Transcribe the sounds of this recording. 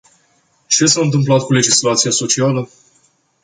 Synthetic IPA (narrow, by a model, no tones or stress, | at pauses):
t͡ʃe̞saɨnt̪ɨmplat̪̚kule̞d͡ʒislat̪sijaso̞t͡ʃialə